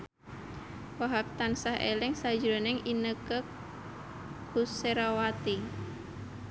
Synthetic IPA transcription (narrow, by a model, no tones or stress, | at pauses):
waɦap̚t̪ansahʔḛlɪŋsad͡ʒɾonɛŋinəkə | kuseɾawat̪i